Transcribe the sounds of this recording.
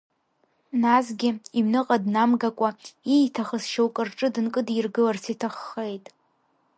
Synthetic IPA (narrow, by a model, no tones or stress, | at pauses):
nazɡʲɪimnɨqʼadnamɡakʷʼaijtʰaχəsʃowkʼɨrʈ͡ʂʼɨdɨnkʼɨdirɡɨlarsʰitʰaχːejtʼ